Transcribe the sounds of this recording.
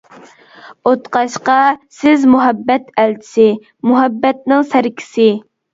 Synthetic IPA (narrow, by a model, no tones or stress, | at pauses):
ot̪qɑʃqɑsɪzmuɦɛbːɛt̪ʰælt͡ʃʰɪ̥sɪ | muɦɛbːɛt̪̚nɪŋsæɾkʲʰi̥sɪ